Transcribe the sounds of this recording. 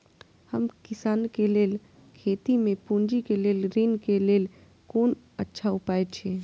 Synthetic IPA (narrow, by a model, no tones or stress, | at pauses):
həmkɪsaːnkeleːl | kʰeːt̪imẽpund͡ʒikeleːlɾinkeleːl | koːn | ətːʃʰaʊpaːet͡ʃʰeː